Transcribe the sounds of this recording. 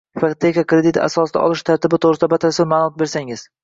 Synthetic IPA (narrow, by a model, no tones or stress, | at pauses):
faqt̪ʰːekakɾed̪ɪt̪ʰa̰sɒsd̪a̰ʔɒ̰lˠɪʃt̪ʰaɾt̪ɪbɪt̪ʰoʁɾɪɪd̪abat̪ʰalsamaːlˠʊmɒt̪̚be̞ɾsaŋɪz̥